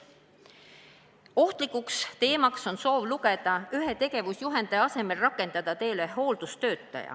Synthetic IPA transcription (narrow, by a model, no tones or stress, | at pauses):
o̞ht̪likːˑukst̪e̞ːmɑkso̞nso̞ːvluɡ̥e̞d̪̥ɑyɦe̞t̪e̞ɡ̥e̞vusjuɦe̞nd̪̥eɑse̞me̞lrɑkːˑe̞nd̪̥ɑd̪̥ɑt̪e̞ːleɦo̞ːld̪̥ust̪ø̞ːt̪ˑːɑ̰jɑ̰